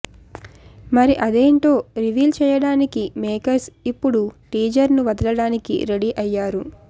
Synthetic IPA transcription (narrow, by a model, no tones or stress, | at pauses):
mɐɾiʔɐd̪e̞ːɳʈo̞ːɾiʋiːlt͡ʃɛːjɐɽaːnikimeːkɐsipːuɽuʈiːd͡ʒɐɾnuʋɐd̪ɐlɐɽaːnikḭɾeɽiʔɐjːaːɾu